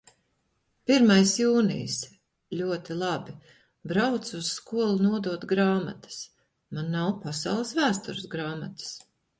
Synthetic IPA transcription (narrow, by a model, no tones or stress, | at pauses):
piɾmajsjuːnḭjs | lʲuɔt̪ilˠabi | bɾawt̪susskuɔlˠunuɔd̪uɔt̪ɡɾaːma̰t̪ɐ̥s | manːawpasawlˠɐsvæːst̪uɾɨsɡɾaːmat̪ə̥s